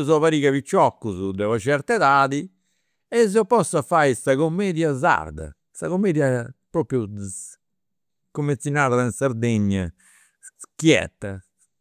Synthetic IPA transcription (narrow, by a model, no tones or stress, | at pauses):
zɔvaɾiːɣavit͡ʃːɔkːuzud̪ɛvɔt͡ʃɛɾt̪ɛðaːði | ɛzɔpɔsafajsaɣomːɛːðjaza̰ɾd̪a̰ | saɣomːeːðjapɾɔːpɾju | komːet̪sinaːðainsaɾd̪eɲːa | sskjɛ̰t̪ːa